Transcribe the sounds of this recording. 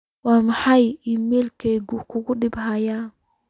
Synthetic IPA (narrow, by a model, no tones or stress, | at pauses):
wɑːmɑħɑjimɛlkʰɛɡʊkʰʊɣʊɖɪbɦɐjaːn